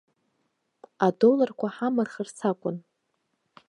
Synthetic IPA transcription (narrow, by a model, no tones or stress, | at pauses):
adolarkʷʰaħamɨrχərt͡sʰakʷʼʊn